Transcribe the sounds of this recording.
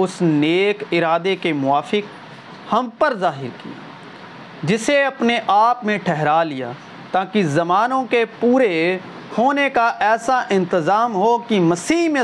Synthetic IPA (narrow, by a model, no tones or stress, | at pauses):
ʊsneːkɪɾaːd̪ekemʊaːfɪk | hɐ̃mpəɾzaːɦɪɾkḭja̰ | d͡ʒɪseɐpneʔaːpmẽʈʰɛɦɾalɪja̰ː | t̪aːkizɐmaːnõkepuːɾe | hoːnekaʔɛːsaʔɪ̃nt̪ɪzaːmɦokimɐsiːɦmẽ